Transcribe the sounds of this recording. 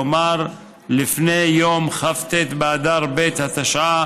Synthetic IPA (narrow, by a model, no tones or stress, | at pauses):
maɾ | lifne̞jomχaft̪et̪bead̪aʁbet̪hat̪aʃʕa